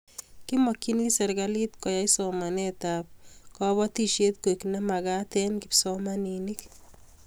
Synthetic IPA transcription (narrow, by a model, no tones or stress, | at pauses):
kimɔkːinisɛɾɡalit̪kɔjajsɔmanet̪ap̚kɔβɔt̪iʃet̪̚koknɛmaɡat̪ɛnkipsɔmaninik